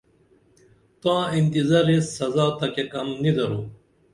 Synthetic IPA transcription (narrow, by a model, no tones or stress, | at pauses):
t̪ãːint̪izaɾesːɐzaːt̪ɐkekɐmnid̪ɐɾuː